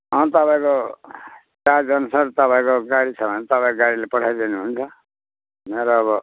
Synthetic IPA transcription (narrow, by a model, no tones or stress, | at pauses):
ʌ̃t̪ʌpaĩko | t͡sad͡zʌnsaɾt̪ʌpãĩkoɡaɽit͡sʰʌbʱʌnet̪ʌpãĩkoɡaɽilepʌʈʰajd̪inuɦunt͡sʰʌ | meɾoːβʌ